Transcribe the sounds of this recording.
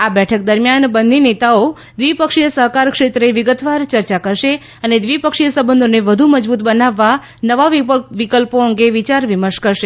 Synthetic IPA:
abɛʈʰək̚d̪əɾmjanbənninet̪ao | d̪ʋipəkʃijəsəɦkaɾkʃet̪ɾeʋɪɡət̪ʋaɾt͡ʃəɾt͡ʃakəɾʃe | əned̪ʋipəkʃijəsəbə̃nd̪ʱoneʋəd̪ʱuməd͡ʒbut̪bənaʋːa | nəʋaʋikəlpoəŋɡeʋit͡ʃaɾʋiməɾʃkəɾʃe

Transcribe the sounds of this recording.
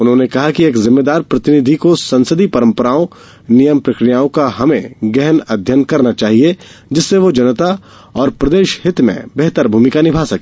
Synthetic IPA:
ʊnɦõːnekɐɦakieːkzɪmːeːd̪aːɾpɾɐt̪ɪnɪd̪ʱikosɐ̃nsəd̪ipɐɾə̃mpəɾaːõ | nijəmpɾɐkɾijaːõkaɦɐmẽɡɛɦənɐd̪ʱjənkɐɾnat͡ʃaːɦied͡ʒɪsːeʋod͡ʒɐnt̪a | ɔːɾpɾɐd̪eːʃɦɪt̪mḛ̃bɛɦt̪əɾbʱuːmɪkanɪbʱaːsɐkː

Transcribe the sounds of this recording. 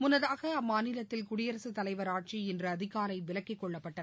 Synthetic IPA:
mʊnːɐðaːɣɐɐmːaːnɪlɐt̪ːɪlkʊɽɪjɐɾɐsɯt̪ːɐlɐɪʋɐɾaːʈ̚t͡ʃiɛndrɯɐðɪɣaːɾɐɪʋɪlɐkːɪkːɔɭːɐpːɐʈːɐðɯ

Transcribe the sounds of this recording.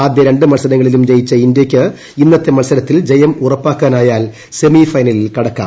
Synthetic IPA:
aːd̪jɐɾe̞ɳɖɨmɐlsɐɾɐŋːɐɭilumd͡ʑejit͡ɕːɐindjɐkʲːɨ | inːɐt̪ːemɐlsɐɾɐt̪ːild͡ʑejɐmurɐpːaːkːaːnaːjaːl | se̞mifɐjnɐlilkɐɽɐkːa̰ː

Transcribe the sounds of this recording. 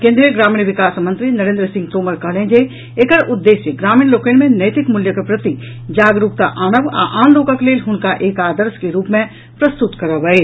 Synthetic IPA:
kẽːnd̪ɾijəɡɾaːmiːnʋɪkaːsmɐ̃nt̪ɾinɐɾẽnd̪ɾəsɪ̃ŋɡt̪oːməɾkəɦlẽːd͡ʒe | ekəɾʊd̪ːeːʃjəɡɾaːmiːnloːkeːnmẽnɐjt̪ɪkmʊljəkepɾɐt̪i | d͡ʒaːɡɾuk̚t̪a̰ʔaːnə̃ʋa̰ʔaːnloːkəkleːlɦʊnkaʔeːkaːd̪əɾskeɾuːpmẽ | pɾɐst̪ʊt̪kɐɾəʋəe

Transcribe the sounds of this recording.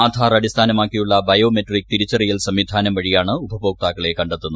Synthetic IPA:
aːd̪ʱʰaːrɐɽist̪ʰaːnɐmaːkːijuɭːɐbɐjo̞ːmeʈrik̚t̪iɾit͡ɕːɐrijɐlsɐmːid̪ʱaːnɐmʋɐɻijaːɳɨubʱɐbo̞ːk̚t̪aːkːɐɭe̞kɐɳɖet̪ːunːu

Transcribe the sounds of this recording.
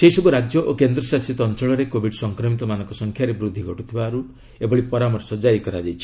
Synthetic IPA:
seisɔbuɾad͡ʒjɔʔokend̪ɾɔsasit̪ɔnt͡ʃɔɭɔɾekobʱiɖsɔŋkɾɔmit̪ɔmanɔ̃ŋkɔsɔŋkʰjaɾebɾud̪ʱːiɡʱɔʈut̪ʰibaːɾu | ebɔɭipɔɾamɔɾsɔd͡ʒaikɔɾad͡ʒajt͡ʃʰi̥

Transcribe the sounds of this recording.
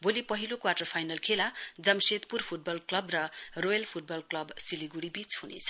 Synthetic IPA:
bolipʌɦilokwarʈʌrpʰajnʌlkʰelad͡zʌmset̪purpʰuʈ̚bʌlklʌbrʌrojʌlpʰuʈ̚bʌlklʌbsiliɡuɽibit͡shunḛt͡sʰʌ̥

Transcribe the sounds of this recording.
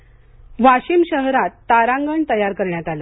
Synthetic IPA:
ʋaɕimɕəɦɾat̪ːaɾãŋɡəɳt̪əjaɾkəɾɳjat̪alə

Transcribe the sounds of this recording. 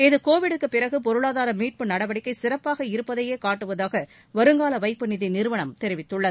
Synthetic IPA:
ɪðɯkoːʋɪɽɯkːɯpːɪɾɐɣɯpɔɾɯɭaːðaːɾɐmiːʈ̚pɯnɐɽɐʋɐɽɪkːɐɪsɪɾɐpːaːɣɐɪɾɯpːɐðɐjeːkaːʈːɯʋɐðaːɣɐ | ʋɐɾɯŋɡaːlɐʋɐɪpːɯnɪðinɪɾɯʋɐɳɐmt̪ɛɾɪʋɪt̪ːɯɭːɐðɯ

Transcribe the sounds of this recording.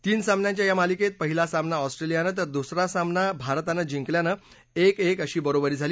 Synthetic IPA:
t̪iːnsamnjãt͡ɕjajamaliket̪̚pəɦilasamnaɔsʈɾelijanət̪əɾd̪usɾasamnabʱaɾt̪anəd͡ʑiŋkljanə | ekekəɕiːbəɾobəɾiːd͡zʱaliː

